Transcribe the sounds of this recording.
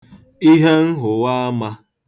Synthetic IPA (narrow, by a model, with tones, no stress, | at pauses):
i˦ɦe˦n̩˦ɦʊ˨wa˦a˦ma˦